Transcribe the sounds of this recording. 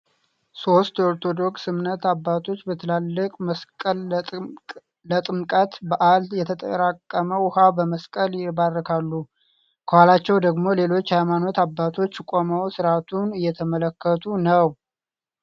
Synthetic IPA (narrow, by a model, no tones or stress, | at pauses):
so̞st̪o̞ɾt̪ʰo̞d̪o̞ksɨmnət̪abːat̪ʰo̞t͡ʃːbət̪ʰɨlalːɨkʼməskʼəl | lət̪ʼɨmkʼət̪bəʔaljɛt̪ʰət̪ʼə̰ɾakʼːəməwhabəməskʼəljɪbarːəkʰalːu | kʰəhwalat͡ʃːɛwd̪əɡmo̞le̞lo̞t͡ʃːhajmano̞t̪abːat̪ʰo̞t͡ʃːkʼoməwsɨɾat̪ʰunɨjːɛt̪ʰəmələkːət̪ʰunəw